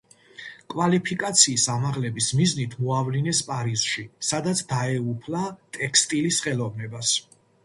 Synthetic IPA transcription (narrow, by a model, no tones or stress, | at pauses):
kʼvalipʰikʼat̪sʰiːsamaʁlɛbismiznit̪ʰmɔavlinɛspʼaɾiz̥ʃisad̪at̪sʰd̪aɛupʰlat̪ʼɛkʰst̪ʼilisχɛlɔvnɛbas